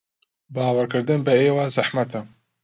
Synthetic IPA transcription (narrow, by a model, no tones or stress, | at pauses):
bɑːwɐɾkɨɾd̪ɨnbɐeːwazaħmɐt̪ʰɐ